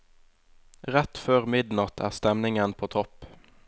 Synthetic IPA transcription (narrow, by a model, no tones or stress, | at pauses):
ʁɛt̪føːʁmɪd̪nɑt̪ʰæ̰ːʁst̪ɛmnɪŋənpʰoːt̪ʰɔp